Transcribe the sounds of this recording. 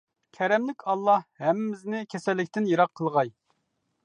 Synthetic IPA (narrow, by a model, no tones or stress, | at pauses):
kʲʰɛɾɛmlɪkʲʰɑlˠːɑhhɛmːɪznɪkʲʰɛsɛlːɪkʲt̪ɪnjɑɾɑqʰːəlˠʁɑj